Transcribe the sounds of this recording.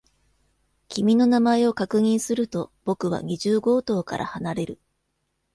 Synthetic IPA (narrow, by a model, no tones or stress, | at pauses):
kʲimʲino̞namae̞o̞kakɯ̟ɲ̟ĩɰ̃sɨɾɯ̟t̪o̞b̥o̞kɯ̟β̞a̰ɲ̟iʑɨːɡo̞ːt̪o̞ːka̰ɾʔa̰hanaɾe̞ɾɯ̟